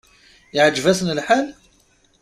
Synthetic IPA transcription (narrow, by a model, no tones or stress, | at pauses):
iʕəd͡ʒvæsənəlħal